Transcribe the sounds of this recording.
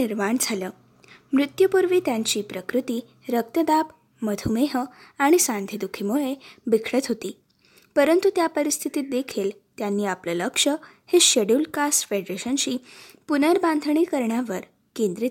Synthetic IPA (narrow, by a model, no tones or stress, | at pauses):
iɾmaɳd͡zʱaləː | mɾut̪jəpuɾʋiːt̪jaɲt͡ɕiːpɾəkɾut̪iː | ɾək̚t̪əd̪ap | məd̪ʱumeɦəaɽ̃isãnd̪ʱid̪ukʰimuɭebikʰɭət̪ɦot̪iː | pəɾənt̪ut̪japəɾist̪ʰit̪iːt̪̚d̪ekʰiːl | t̪janːiːaplələkʂə | heɕəɽulkasfeɖɾeɕənɕiːpunəɾband̪ʱɳiːkəɾɳjaʋəɾ | kend̪ɾit̪